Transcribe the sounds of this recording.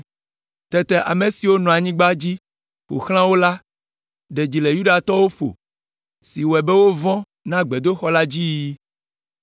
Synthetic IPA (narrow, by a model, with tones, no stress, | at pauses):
t̪ɛ˨t̪ɛ˨ʔa̰˨me˨si˨wo˦nɔ̃˨a˨ɲĩ˦ɡ͡ba˦d͡ʑi˦ | ɸo̰˨xl̃ã˦wo˦la˦ | ɖe˨d͡ʑi˨le˨ju˦ɖa˨t̪ɔ˦wo˦ɸo̰˨ | si˨wɛ˨be˦wo˦vɔ̃˦ | nã˦ɡ͡be˨d̪o˦xɔ˦la˦d͡ʑi˦ji˦